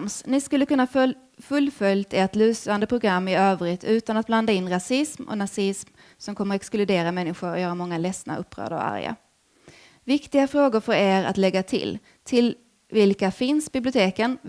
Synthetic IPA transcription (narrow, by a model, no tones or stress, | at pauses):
msnɪskɵlːəkɵnːa | fɵlːfœljt̪ʰeʈly̟ːsand̪əpʰɾʊɡɾamːɪøːvɾɪt̪ʰʉ̟ːt̪anat̪̚bland̪aɪnːɾasɪsmɔ̰nasɪsm | sɔmkʰɔmːəɾɛksklʉd̪eːɾamɛnːɪɧʊɾɔjœːɾamɔŋːalɛsna̰ʔɵpːɾœ̰ːd̪ə̰ɾɔ̰a̰ɾja̰ | vɪkt̪ɪɡafɾoːɡʊɾfœɾeːɾa̰t̪lɛɡːat̪ʰɪ̰l | t̪ʰɪl | vɪlkafɪnsbɪblɪʊt̪ʰeːkən